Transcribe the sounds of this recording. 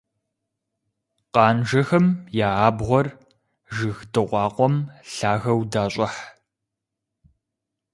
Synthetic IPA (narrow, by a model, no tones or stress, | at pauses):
qɑːnʒɐxɐmjaːaːbʁʷɔr | ʒɨxdɨʁʷɑːqʷɔmɬaːɣɐwdaːɕʼɪħ